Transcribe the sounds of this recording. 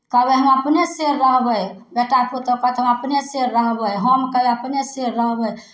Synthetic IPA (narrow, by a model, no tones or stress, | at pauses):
kəbeɦəməpneseɾːəɦbəjbeʈaput̪əkəɦt̪ɦəməpneseɾɾəɦbəjɦəmkəbeəpneseɾːəɦbəj